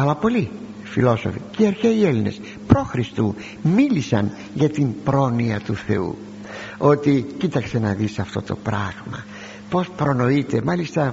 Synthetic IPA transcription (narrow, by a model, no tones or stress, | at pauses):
ɐlɐpo̞li | filo̞so̰ficiɐɾçeieline̞̰s | pɾo̞xɾist̪u | milisɐn | ʝɐt̪impɾo̞niɐt̪uθe̞ṵ | o̞t̪icit̪ɐkse̞nɐðisɐft̪o̞t̪o̞̰pɾɐɣmɐ | po̞spɾo̞no̞it̪e̞mɐlist̪ɐ